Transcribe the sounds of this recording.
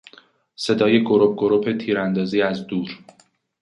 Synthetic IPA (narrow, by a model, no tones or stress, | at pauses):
se̞d̪ɒːje̞ɡo̞ɾob̚ɡoɾopʰe̞t̪ʰiːɾænd̪ɒːziːæzd̪uːɾ